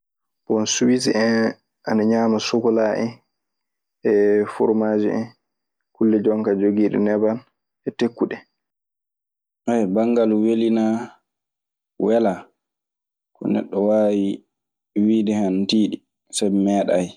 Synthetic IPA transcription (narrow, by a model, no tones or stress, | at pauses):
bɔnsuwisʔɛn | ʔa̰naɲaːmasɔkɔlaʔɛ | ɛfṵɾmad͡ʒḭɛ̰n | kulːɛd͡ʒɔŋkad͡ʒoɡiːɗɛ̰nɛban | ʔɛtekːuɗɛ | ʔɛjbaŋɡalwelina | wɛla | kɔ̰nɛ̰ɗːɔwaːwi | wiːdɛhantiːɗi | sabɛmɛːɗaj